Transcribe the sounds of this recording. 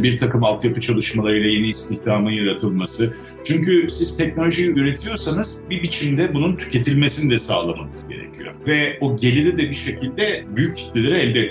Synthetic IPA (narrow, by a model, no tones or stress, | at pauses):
biɾt̪ʰakɯmalˠt̪japʰɯt͡ʃʰalˠɯʃmalˠaɾɯjlˠaje̞niːst̪ʰiçd̪aːmɯnjaɾat̪ʰɯlˠmasɯ | t͡ʃʰyɲcysiz̥t̪ʰɛc̚no̞lʲoʒiyɾe̞t̪ʰijo̞sanɯzbibit͡ʃʰimd̪ɛbununt̪ʰy̥cʰe̞t̪ʰilʲme̞sinid̪ɛsa̰ːlˠamamɯz̥ɟe̞̰ɾḛcʰijo̞̰vɛoɟe̞lʲiɾid̪ɛbiʃe̞cʰilʲd̪ɛbyjycːʰi̥t̪ʲelʲeɾɛɛlʲd̪ɛ